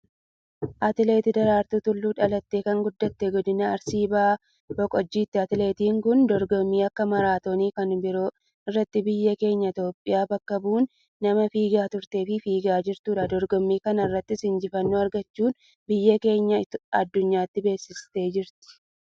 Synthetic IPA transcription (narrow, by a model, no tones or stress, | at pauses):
ʔɐt̪ɪle̞ːt̪ɪd̪ɐɾaːɾt̪ut̪ʊlːuːᶑɐlɐt̪ːe̞ːkɐŋɡʊd̪ːɐt̪ːɛɡɔd̪ɪnɐːɾsiːbaː | bɔkʼɔd͡ʒːiːt̪ːɪɐt̪ɪle̞ːt̪iːŋkʊnd̪ɔɾɡɔmːiːɐkːɐmɐɾaːt̪o̞ːniːkɐnbɪɾoː | ɪrːɐt̪ːɪbɪjːɐke̞ːɲːɐɪt̪o̞ːpʼːɪjaːbɐkːɐbuːnː | ɐmɐfiːɡaːt̪ʊɾt̪e̞ːfɪfiːɡaːd͡ʒɪɾt̪uːᶑɐd̪ɔɾɡɔmːiːkɐnɐɪrːɐt̪ːɪsɪnd͡ʒɪfɐnːoːɐɾɡɐt͡ʃːuːn | bɪjːɐke̞ːɲːɐɐ̰d̪ːʊɲːaːt̪ːɪbe̞ːsːɪst̪e̞ːd͡ʒɪɾt̪ɪ̥